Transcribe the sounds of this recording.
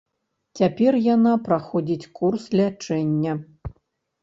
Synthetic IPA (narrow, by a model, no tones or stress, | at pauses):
t͡sʲapʲɛrjanapɾaxɔd͡zʲit͡sʲkurslʲat͡ʂɛnʲːɐ